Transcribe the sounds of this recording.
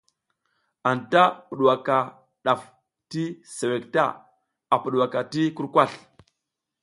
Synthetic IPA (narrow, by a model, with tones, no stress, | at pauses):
a˨nta˦pu˨ɗwa˨ka˨ | ɗa˨f | ti˦se˨we˨kta̰˦ | a˨pu˨ɗwa˨ka˨ti˦ku˦ɾkʷa˦˨ɬ